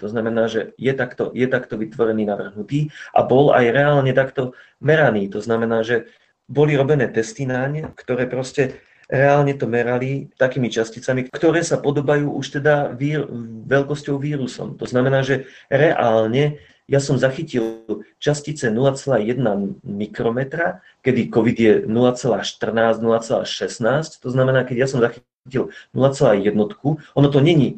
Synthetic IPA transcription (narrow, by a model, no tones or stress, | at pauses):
t̪ɔznamɛnaːʒɛjɛt̪akt̪ɔ̰jɛt̪akt̪ɔʋit̪ʋɔɾɛniːnaʋr̩ɦnut̪iːʔa̰bɔla̰jɾɛaːlɲɛt̪akt̪ɔ | mɛɾaniːt̪ɔznamɛnaːʒɛ | bɔliɾɔbɛnɛːt̪ɛst̪inaɲkt̪ɔɾɛːpɾɔscɛ | ɾɛaːlɲɛt̪ɔmɛɾalit̪akiːmit͡ʃascit͡samikkt̪ɔɾɛːsapɔd̪ɔbajuːʔuʃt̪ɛd̪aʋiːʋɛʎkɔscɔʊʋiːɾusɔ̰mt̪ɔznamɛnaːʒɛɾɛʔalɲɛ | jasɔmzaxicilt͡ʃascit͡sɛnulat͡sɛlaːjɛd̪namikɾɔmɛt̪ɾa | kɛd̪ikɔʋid̪ɪjɛnulat͡sɛlaːʃt̪r̩naːznulat͡sɛla̰ːʃɛsnaːsct̪ɔznamɛnaːkɛɟjasɔmzaxi | cilnulat͡sɛlaːjɛd̪nɔt̪kuʔɔnɔt̪̬ɔɲɛɲi